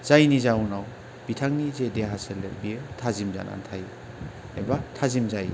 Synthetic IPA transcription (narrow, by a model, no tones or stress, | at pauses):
z̥ajnizawnaw | b̥itʰaŋnizedeɦaselebitʰazimza̰na̰ntʰaj | ḛbatʰazimzaj